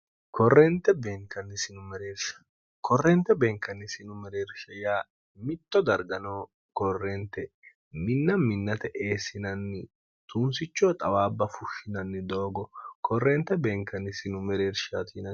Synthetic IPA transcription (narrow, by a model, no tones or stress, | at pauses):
kʰɔrːɛnt̪ːɛbeːŋkɐnːɪsɪnʊmɛɾeːɾʃɐ̥ | kʰɔrːɛnt̪ːɛbeːŋkːɐnːɪsɪnʊmɛɾeːɾʃɐjaː | mɪt̪ːɔd̪ɐɾɡɐnɐː | kɔrːɛnt̪ːɛ | mɪnːɐmɪnːɐt̪ɛʔeːsɪnɐnːɪ | t̪unsɪt͡ʃːɔːt̪ʼɐwaːbːɐfʊʃːɪnɐnːɪd̪o̞ːɡɔkʰɔrːɛnt̪ːɛbeːŋkːɐnːɪsɪnʊmɛɾeːɾʃat̪iːnɐ